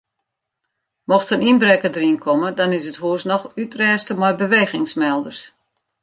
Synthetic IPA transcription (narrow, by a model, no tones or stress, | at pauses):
mɔxtəninbrɛkədəriənkʰɔmədɔnɪs̬əthuəsnɔxytrɛːstəmɔjbəʋeːɣɪŋsmɛlˠdərs